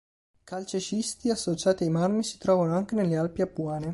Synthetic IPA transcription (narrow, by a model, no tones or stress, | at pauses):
kalt͡ʃet͡ʃist̪iasːot͡ʃaːt̪iajmarmisi̥t̪ɾɔːvanoaŋk̟enelːealpiapːuaːne